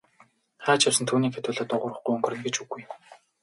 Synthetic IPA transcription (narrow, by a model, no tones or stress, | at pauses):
χæːt͡ɕjawsə̆nt̪ʰuːniːkxet̪ʊːɮɔːt̪ʊʁʊːrə̆χɡujɵŋɡɵ̆rɘ̆nɡet͡ɕuɣuj